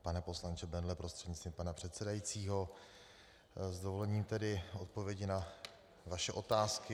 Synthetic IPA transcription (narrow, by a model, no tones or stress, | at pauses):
panɛpo̞slant͡ʃɛbɛndlɛpɾo̞st̪r̥ɛdɲɪt͡st̪vimpanapr̥ɛt̪sɛdajit͡siːɦo̞ | zdo̞vo̞lɛɲiːmt̪ɛdɪo̞t̪̚po̞vjɛɟɪna | vaʃɛʔo̞t̪aːskɪ